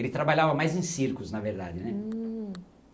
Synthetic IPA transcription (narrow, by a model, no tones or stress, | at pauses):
elɪt̪ɾabaʎavɐmajzẽsiɾkʊznɐveɾd̪a̰d͡ʒɪnɛ